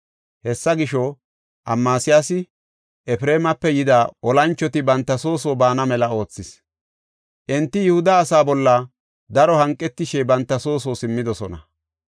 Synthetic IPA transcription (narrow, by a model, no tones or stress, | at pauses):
hɛsːɐɡɪʃɔ | ʔɐmːaːsɪjasɪ | ʔɛpɪɾeːmɐpːɛjɪd̪aʔɔlɐnt͡ʃːɔt̪ɪbɐnt̪ːɐso̞ːsoːbaːnɐmɛlɐo̞ːt͡sːɪs | ʔɛnt̪ːɪjʊhʊd̪ɐːsaːbɔlːɐ | d̪ɐɾɔhɐŋkʼːɛt̪ːɪʃebɐnt̪ːɐso̞ːs̬oːsɪmːɪd̪ɔsɔnɐ